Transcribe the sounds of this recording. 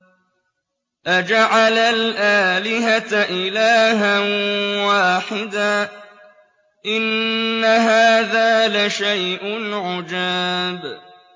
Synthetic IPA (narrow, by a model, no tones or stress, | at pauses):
ʔad͡ʒaʕalalʔaːlɪɦat̪ʔɪlaːɦanwaːħɪd̪aː | ʔɪnːaɦaːðaːlaʃajʔʊnʕʊd͡ʒaːb